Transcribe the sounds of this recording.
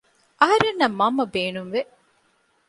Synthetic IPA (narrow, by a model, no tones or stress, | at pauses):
ʔɐɦɐɾenːɐmːɐmːɐbeːnuŋʋe